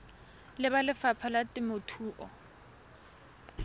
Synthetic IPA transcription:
lɪbalɪfapʰalatʼɪmʊtʰuːʔɔ̰

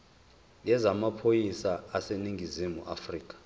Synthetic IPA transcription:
jɛzamapʰojisaːseniŋɡʱizimuʔafriːk̬ʼḁ

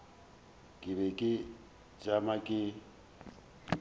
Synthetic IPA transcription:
kʼɪβekʼɪ | d͡ʒamakʼɪ

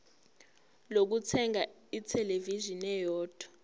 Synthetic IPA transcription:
lok̬ut͡sʰɛŋa | itʰɛlevizinɛjɔːd̥ʰʱɔ̥

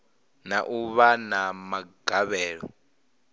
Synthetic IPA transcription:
naʔuβanamaɡ̥ʱaβɛːɺɔ̰

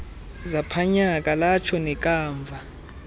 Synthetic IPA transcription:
zapʰaɲak̬ʼalat͡ʃʰɔnɛk̬ʼaːɱvʱa

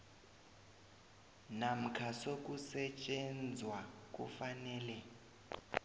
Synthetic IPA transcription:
nam̩kʰasok̬ʼusɛt͡ʃʼɛnd͡zʱwak̬ʼṵfanɛːlɛ

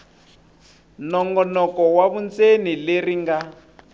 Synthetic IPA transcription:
nɔŋɡɔnɔkɔwaβunt͡senileriŋɡa

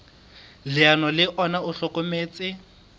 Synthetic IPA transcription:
lɪanɔlɪʔɔnaʊɬɔkomeːt͡sʼɪ

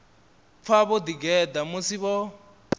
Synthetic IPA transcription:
fʰaβɔdiɡɛdamosiβɔ

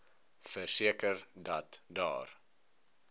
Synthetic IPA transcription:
fərsiəkərdɐtdɑ̰ːr

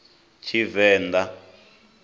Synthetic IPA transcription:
t͡ʃʰivɛːnd̪a

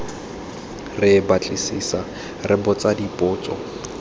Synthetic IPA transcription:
rɪbat͡ɬʼɪsisa | rɪbɔt͡sadipʼʊːt͡sɔ̰

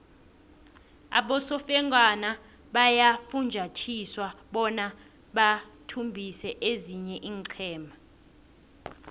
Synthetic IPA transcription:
a̰ɓɔsɔfɛŋɡʼana | ɓajafund͡ʒʱatʰiswaɓɔna | ɓatʰumbʱisɛʔeziɲɛʔiːŋǀʰɛːmʱa

